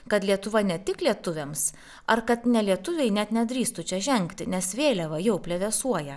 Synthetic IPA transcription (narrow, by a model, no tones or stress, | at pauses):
kɐt̪lʲiɛt̪ʊʋɐnʲɛt̪ʲɪklʲiɛt̪ʊʋʲems | ɐɾkɐt̪nʲɛlʲiɛt̪ʊʋʲɛɪnʲɛt̪nʲɛd̪ʲɾʲiːst̪ʊt͡ʃʲɛʒʲɛŋkt̪ʲɪnʲɛsʋʲeːlʲɛʋɐjɛʊpʲlʲɛʋʲɛsuɔjɛ